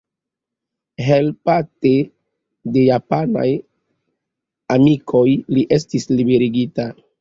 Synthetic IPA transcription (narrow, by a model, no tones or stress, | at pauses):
ɦe̞lpate̞ | de̞japana̰j | amikʰo̞jliʔe̞stislibe̞ɾiɡita